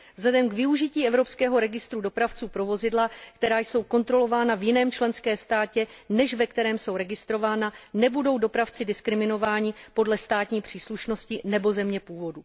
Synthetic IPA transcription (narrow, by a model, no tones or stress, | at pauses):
vzlɛdɛmɡvɪuʒɪciːʔɛvɾo̞pskɛːɦo̞ɾɛɡɪst̪ɾudo̞pɾaft͡suːpɾo̞vo̞zɪdlakt̪ɛɾaːjso̞wko̞nt̪ɾo̞lo̞vaːnavjɪnɛːmt͡ʃlɛnskɛːst̪aːcɛnɛʃvɛkt̪ɛɾɛːmso̞wɾɛɡɪst̪ɾo̞vaːnanɛbudo̞wdo̞pɾaft͡sɪdɪskɾɪmɪno̞vaːɲɪpo̞dlɛst̪aːt̪ɲiːpr̝̥iːsluʃno̞scɪnɛbo̞zɛmɲɛpuːvo̞du